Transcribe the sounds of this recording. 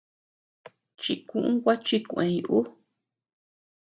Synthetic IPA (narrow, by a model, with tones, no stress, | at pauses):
t͡ʃi˧kũ˦ʔũ˦kʷa˦t͡ʃi˦kʷẽ˨˧ju˨ʔu˦